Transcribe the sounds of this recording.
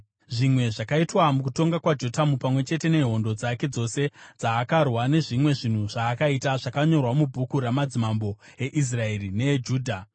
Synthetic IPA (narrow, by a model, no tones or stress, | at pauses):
ʐimwe̞ʐakaitwamukuto̞ŋɡakwad͡ʒo̞tamupamwe̞t͡ʃe̞te̞ne̞ɦo̞ndo̞d͡zake̞d͡zo̞se̞d͡zaːkarwane̞ʐimwe̞ʐin̤uʐaːkaitaʐakaɲo̞rwamubʱukuɾamad͡zimambo̞e̞ʔis̬rae̞rine̞d͡ʒuːdʱa